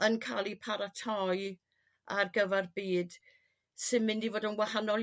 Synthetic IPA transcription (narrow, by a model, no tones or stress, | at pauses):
ənkʰa̰ːlˠipʰaɾatʰɔj | arɡəvarbiːd̥ | sɨmɪndivoːdənwahanɔlˠ